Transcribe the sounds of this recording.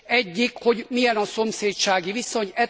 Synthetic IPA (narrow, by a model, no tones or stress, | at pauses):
ɛɟːikho̞ɟmijɛnɒso̞mseːtt͡ʃaːɡiviso̞ɲɛ